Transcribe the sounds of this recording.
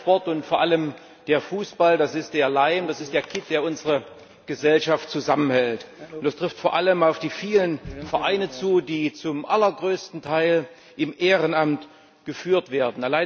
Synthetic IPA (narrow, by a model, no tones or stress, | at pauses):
pɔɐtʊntfoːɐʔaləm | d̥eːɐfuːsb̥aldasɪst̚d̥eːɐlaɪmd̥asɪstd̥eːɐkʰɪt̚d̥eːɐʊnzəʁə | ɡ̥əzɛlʃaftt͡suzamənhɛltʊntd̥astʁ̥ɪftfoːɐʔaləmaʊfd̥iːfiːlənfɛɐʔaɪnət͡suːdiːt͡sʊmʔalɐɡʁøːstn̩tʰaɪl | ʔɪmʔeːʁənamt | ɡ̥əfyːɐtv̥eːɐdn̩alaɪ